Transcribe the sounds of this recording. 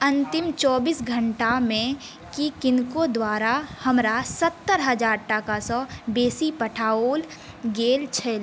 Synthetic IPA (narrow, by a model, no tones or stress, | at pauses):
ə̃nt̪ɪmt͡ʃɔːbiːsɡʱəɳʈamẽ | kikɪnkod̪waːɾahɐmɾasət̪ːəɾɦəd͡ʒaːɾʈakasɔbeːsipəʈʰaːoːl | ɡeːlt͡ʃʰɛl